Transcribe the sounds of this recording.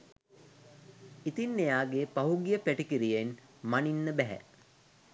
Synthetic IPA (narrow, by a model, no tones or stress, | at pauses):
it̪inːejaːɡepaɦuɡijəpæʈikiɾijenmaninːəbɛɦæ̰